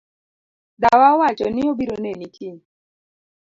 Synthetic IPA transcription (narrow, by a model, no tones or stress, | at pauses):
d̪awawat͡ʃɔnɪobiɾonenikʰɪ